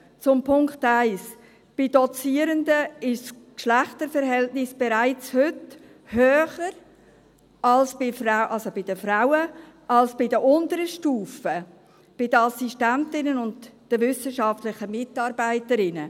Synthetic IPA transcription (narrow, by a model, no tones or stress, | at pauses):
t͡sʊmpʰʊŋktaɪs | b̥ɪdɔt͡siːəɾəndəɪʃskʃlæχtəɾfəɾɦɛltnɪsb̥eɛɾaɪt͡shʏt | høːχəɾ | ɑlsb̥ɪfraʊʔɑlsobɪdəfɾaʊə | ɑlsb̥ɪdəʔʊndəɾəʃtuːfə | b̥ɪdəɑsiʃtæntɪnənʊntd̥əvʏsəʃɑftlɪχəmɪtɑːɾbaɪtəɾɪnə